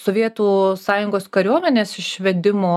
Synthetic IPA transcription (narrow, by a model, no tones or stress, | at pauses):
soʋʲiɛt̪uːsɑːjʊŋɡoːskɐɾʲuɔmʲɛnʲeːsɪʃʋʲɛd̪ʲɪmoː